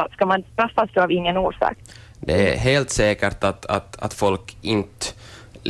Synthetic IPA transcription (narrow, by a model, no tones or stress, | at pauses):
skamanst̪ɾafːasd̪ɔavɪŋːənoːʂɑ̰ːk̚ | d̪ɛæ̰ɾɦeːlt̪sɛːkəʈat̪a̰t̪a̰t̪fɔlkɪnt̪ə